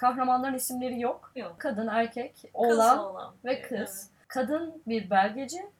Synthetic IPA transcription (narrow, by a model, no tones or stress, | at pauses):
kʰaɦɾamanlˠaɾɯnisimlʲe̞ɾijo̞kkʰad̪ɯnæɾcʰɛcollˠamˠa̰vɛkʰɯz̥ | kʰad̪ɯnbiɾbælʲɟed͡ʒɪ